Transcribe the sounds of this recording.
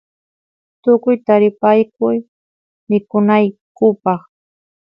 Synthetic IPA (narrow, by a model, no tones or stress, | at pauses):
t̪ʊkʊjt̪aɾɪpajkʊj | mɪkʊnajkʊpɑχ